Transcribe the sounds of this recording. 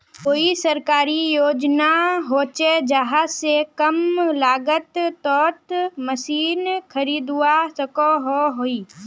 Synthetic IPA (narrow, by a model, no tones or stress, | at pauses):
koːisəɾkaːɾijoːd͡ʒnaɦoːt͡ʃed͡ʒəɦasekəmlaːɡət̪t̪ɔːt̪məsiːnkʰəɾiːd̪uasəkoɦoɦoːiː